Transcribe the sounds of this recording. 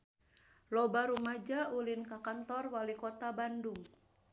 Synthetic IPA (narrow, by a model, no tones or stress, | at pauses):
lɔbaɾumad͡ʒaʔulinkakant̪ɔrwalikɔt̪abanduŋ